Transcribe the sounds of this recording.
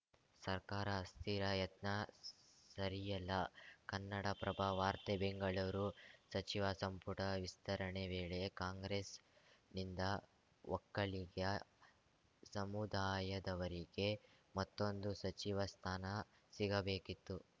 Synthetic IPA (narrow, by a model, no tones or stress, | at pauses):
sɐɾkaːɾɐːst̪ʰiɾɐjɐt̪nɐsɐɾijɐlːɐkɐnːɐɽɐpɾɐbʱaːʋaːɾt̪ebeŋɡɐɭɐʋɾusɐt͡ʃiʋɐsɐmpuʈɐʋist̪ɐɾɐɳeʋeːɭekaːŋɡɾeːsnind̪ɐ | ʋɔkːɐɭiɡjɐ | sɐmud̪aːjɐd̪ɐʋɐɾiɡe̞mɐt̪ːo̞nd̪usɐt͡ʃiʋɐst̪ʰaːnɐ | siɡɐbeːkit̪ːu